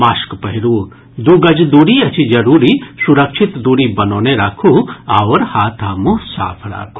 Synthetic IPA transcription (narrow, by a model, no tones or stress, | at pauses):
maːskpɐɦɪɾuː | d̪uːɡɐd͡ʒd̪uːɽiɐt͡ʃʰid͡ʒɐɾuːɾisuɾəkʃʰɪt̪d̪uːɽibɐnoːneɾakʰuawɾhaːt̪ʰaːmuɦsa̰ːpʰɾa̰ːkʰu̥